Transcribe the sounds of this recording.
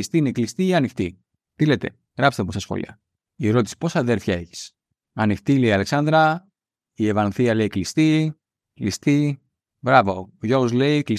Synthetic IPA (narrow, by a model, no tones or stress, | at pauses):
st̪iineklist̪iiɐnift̪i | t̪ilet̪e̞̰ | ɣɾɐpst̪emusɐsxo̰lḭɐ̰ | ieɾo̞t̪isi̥po̞sɐːðe̞ɾfçɐe̞çi̥s | ɐnift̪ileiɐle̞ksɐnd̪ɾɐ | ievɐnθiɐle̞iklist̪i | klist̪i | bɾɐvo̞oʝoɣozle̞ikli